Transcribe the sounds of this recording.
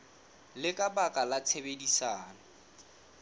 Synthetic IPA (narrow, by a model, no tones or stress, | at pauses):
lɪkʼabakʼalat͡sʰebedisaːna